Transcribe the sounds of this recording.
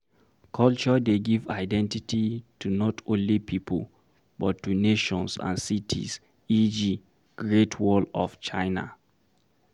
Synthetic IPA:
kʰɔlt͡ʃɔdeɡiva̰ɪdɛ̃ntititʰunɔtʰõnlipʰipʰə̰l | bɔtːuneʃɔ̃nsã̰nsitʰḭs | id͡ʒi | ɡ̥ɹetʰwɔlɔ̰ft͡ʃaɪna̰

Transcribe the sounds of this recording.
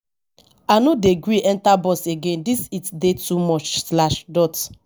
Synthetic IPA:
anodeɡɹiɛ̃ntabɔseɡẽndisitdetumɔt͡ʃslaʃdɔt

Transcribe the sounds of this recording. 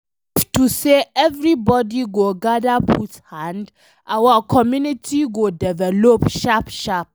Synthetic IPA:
tuseʔɛvɹibɔdiɡoɡadapʰuthãnd | ʔawakʰɔmjunitʰiɡodɛvɛlopʃapʃap̚

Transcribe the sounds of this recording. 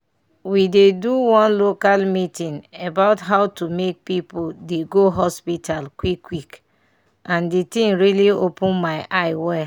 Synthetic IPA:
wideduwɔ̃nlokalmitĩnebaʊtɦaʊtumek̚pipoldeɡoɦɔspitalkwikːwik | ʔãnditĩŋɹiliopũnmaɪʔaɪwɛ

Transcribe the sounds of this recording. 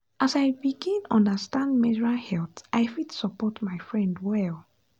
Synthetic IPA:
ʔasaɪbiɡĩnɔ̰̃ndəstãndmɛəɹalhɛlθʔaɪfidsɔpɔtmaɪfɹɛ̃ndwɛl

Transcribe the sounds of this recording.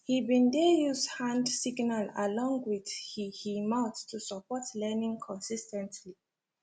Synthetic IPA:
hibĩndɛjuzdhãndsiɡnalalɔ̃ŋɡwið̥hihimaʊttʰːusəpɔtʰlɛnĩŋkʰɔ̃nsistɛ̃ntʰli

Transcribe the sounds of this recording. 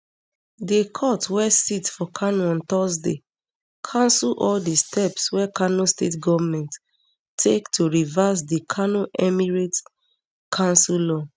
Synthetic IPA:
dekʰɔtwɛsitfɔkʰanɔ̃nt̪ɔs̬dḛ | kʰãnsulʔɔldistʰɛpswɛkʰanostetɡɔvamɛ̃nt | tʰektʰoɹivas̬dikʰanoʔɛmiɹet | kʰãnsulɔ

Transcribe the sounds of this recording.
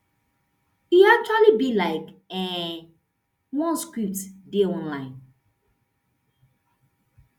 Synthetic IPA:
iak̚t͡ʃualibilaɪkɛ̃ | wɔ̃nskɹup̚tdiɔ̃nlãɪ̃n

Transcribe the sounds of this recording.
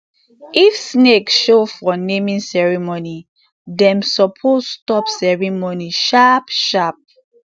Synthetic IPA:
ifsneksʃofɔnemĩnsɛɹimoni | dɛ̃msɔpʰosstɔpsɛɹimoniʃapʃap̚

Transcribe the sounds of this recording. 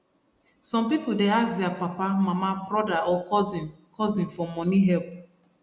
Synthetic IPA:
sɔ̃mpipudeakdɛapapamamabɹɔdaɔkɔzĩn | kʰɔzĩnfɔmɔniɦɛlp̚

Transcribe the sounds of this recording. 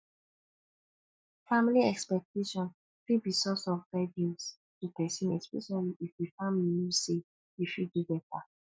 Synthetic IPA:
familiɛkspɛk̚tʰeʃɔ̃n | fibisɔsɔvfɛdĩs | tupɛsĩnɛkspɛ̰ʃaliifdifamlinuse | ifidubɛtʰa

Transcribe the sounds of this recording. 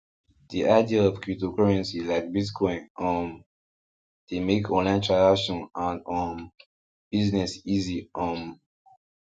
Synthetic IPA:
diʔaɪdiəɔv̥kʰɹutokaɹɛ̃nsilaɪk̚bitkʰɔ̃ɪ̃nɔ̃m | demekʰɔ̃nlãɪ̃ntʰɹadakʃɔ̃nãnɔ̃n | b̥iznɛsiziʔɔ̃m

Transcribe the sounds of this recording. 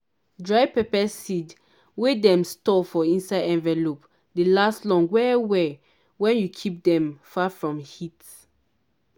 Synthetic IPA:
dɹaɪpɛpɛsid | wedɛ̃mstɔfɔĩnsaɪdɛ̃nvɛlop | delastlɔ̃ŋwɛwɛ | wɛ̃njukʰip̚dɛ̃mfafɹɔ̃mhit

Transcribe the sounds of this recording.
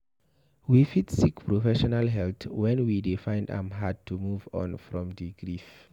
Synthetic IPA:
wifitsikpʰɹɔfɛʃɔnalɦɛlθwɛ̃nwidifãj̃ndã̰mɦad̚tʰumuvɔ̰̃nfɹɔ̃mðiɡɹif

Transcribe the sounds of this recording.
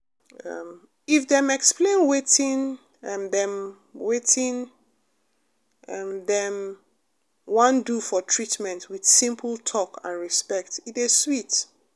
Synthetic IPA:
ʌ̰m | ifðɛ̃mɛksplẽnwetĩn | mðɛ̃m | wetʰĩn | mðɛ̃m | wʌ̃ndufɔtʰɹitmɛ̃ntwið̥sĩmpʰəl̩ˠtʰɔkʰã̰nɹispɛk̚titiz̥swit

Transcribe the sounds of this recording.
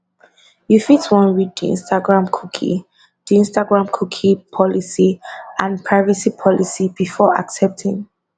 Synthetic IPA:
jufitwɔ̃nɹiddḭ̃nstʰaɡɹãmkʰukʰḭ | d̥ĩnstaɡɹãmkʰukʰipʰɔlisiãnpʰɹaɪvəsipʰɔlisib̥ifɔa̰ksɛp̚tʰĩŋ

